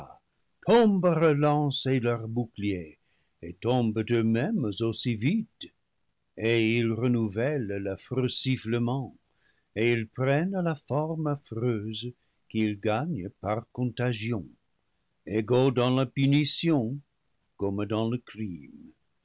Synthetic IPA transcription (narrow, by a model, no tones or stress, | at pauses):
tʰɔ̃mbəʁəlɑ̃selœʁbuklie | etɔ̃mbdømɛmzosivit | eilʁənuvɛlləfʁøsifləmɑ̃ | eilpʁɛnlafɔʁmafʁøz | kilɡaɲəpaʁkɔ̃t̪aʒjɔ̃ | eɡodɑ̃lapynisjɔ̃ | kɔmdɑ̃ləkʁim